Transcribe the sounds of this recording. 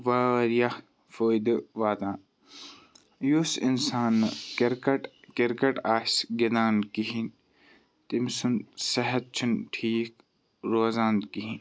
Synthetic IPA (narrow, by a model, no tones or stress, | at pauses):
ʋaɐɾija | foːjd̪ɨʋaːt̪ãː | jusinsaːnːɐɐɾkɐʈkeɾkɐʈaːsɡid̪aːnkiɦin | t̪imsunsɐɦɐt̪̚t͡ʃʰunʈʰiːk | ɾoːzaːnkiɦin